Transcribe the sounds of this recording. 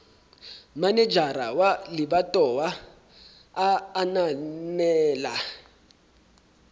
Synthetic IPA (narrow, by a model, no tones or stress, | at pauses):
manɛd͡ʒaɾawalɪbatʼɔwa | nanɛːla